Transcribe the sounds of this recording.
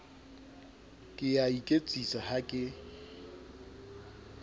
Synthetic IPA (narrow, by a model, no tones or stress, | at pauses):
kʼɪjaikʼet͡sʼisahakʼɪ